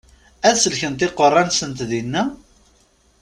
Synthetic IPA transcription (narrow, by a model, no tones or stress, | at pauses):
æðsəlçənt̪ɪqːərˤːɑnsənt̪ðinːæ